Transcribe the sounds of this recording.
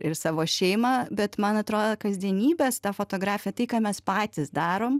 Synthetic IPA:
ɪɾsɑːʋoːʃʲɛɪmɑːbʲɛt̪mɐnɐt̪ɾoːd̪okɐzʲd̪ʲiɛnʲiːbʲeːst̪ɑfoːt̪oːɡɾɑːfʲɪjɛt̪ɐɪkɑːmʲɛspɑːt̪ʲɪsd̪ɑːɾoːm

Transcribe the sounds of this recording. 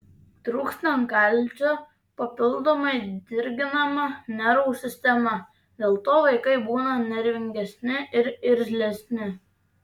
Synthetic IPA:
t̪ɾuːksʲnʲoŋkɐˑlʲˑt͡ʃʲoː | pɐpʲɪlˠd̪oːmɐɪd̪ʲɪɾʲɡʲɪnɐmɐnʲɛɾɐʊsʲɪsʲt̪ʲɛmɐ | d̪ʲeːlˠt̪oːʋɐɪkɐɪbuːnɐnʲɛɾʲʋʲɪŋʲɡʲɛsʲnʲɪʔɪɾɪɾʲzʲlʲɛsʲnʲɪ

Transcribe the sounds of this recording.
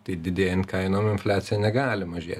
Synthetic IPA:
t̪ɐɪd̪ʲɪd̪ʲeːjɛnkɐɪnomɪnfʲlʲæːt̪sʲɪjɛnʲɛɡɑːlʲɪmɐʒʲḛːt̪ʲ

